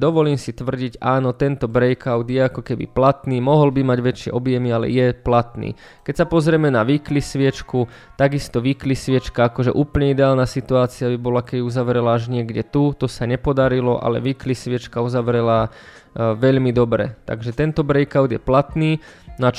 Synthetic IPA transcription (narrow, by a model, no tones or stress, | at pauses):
d̪ɔʋɔliːmsit̪ʋr̩ɟiɟaːnɔt̪ɛnt̪ɔbɾɛjkaʊd̪jɛakɔkɛbḭplat̪niːmɔɦɔlbimaɟʋɛt͡ʃɪɛ̰ʔɔbjɛmialɛ̰jɛplat̪nḭː | kɛcsapɔzɾɛmɛnaʋiklisʋɪɛt͡ʃku | t̪aɡist̪ɔʋiːklisʋɪɛt͡ʃkaakɔʒɛʔuːpl̩ɲɛid̪ɛaːlnasit̪uaːt͡siabibɔlakɛbiuzaʋɾɛlaaʒɲɪɛɡɟɛt̪ut̪ɔsaɲɛpɔd̪aɾilɔʔa̰lɛ̰ʋiːklisʋɪɛt͡ʃkauzaʋɾɛla | ʋɛʎmid̪ɔbɾɛ̰t̪a̰ɡʒɛt̪ɛnt̪ɔbɾɛjkaʊd̪jɛplat̪niːna